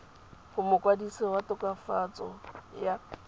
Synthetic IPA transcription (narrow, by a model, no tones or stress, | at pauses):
hʊmʊkwadisewatʼɔkʼafat͡sʼɔ̰ja